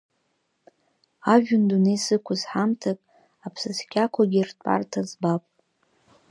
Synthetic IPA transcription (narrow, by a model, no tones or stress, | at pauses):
aʒᶣʊndunejsɨkʷʰazħamtʰakʼ | apʰsɨzkʲʰakʷʰaɡʲirtʰʼa̰rtʰazbapʼ